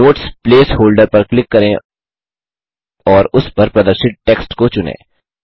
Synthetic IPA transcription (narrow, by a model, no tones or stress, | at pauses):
oːʈspleːshoːlɖəɾpɐɾklɪkːɐɾẽ | ɔːɾʊspɐɾpɾɐd̪əɾʃɪʈ̚ʈeːksʈkot͡ʃʊnḛ̃ː